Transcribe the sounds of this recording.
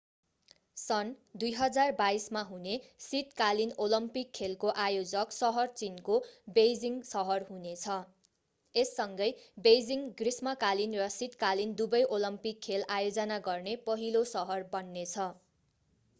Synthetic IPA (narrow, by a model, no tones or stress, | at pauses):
sʌnd̪ujɦʌd͡zarbaismaɦunesit̪kalinolʌmpikʰːelkoʔajod͡zʌksʌɦʌrt͡sinkobejd͡ziŋsʌɦʌrɦunet͡sʰʌ | esːʌŋɡʌjbejd͡ziŋɡrismʌkalinrʌsit̪kalind̪ubʌjʔolʌmpikʰːelajod͡zʌnaɡʌrnepʌɦilosʌɦʌrbʌnːet͡sʰʌ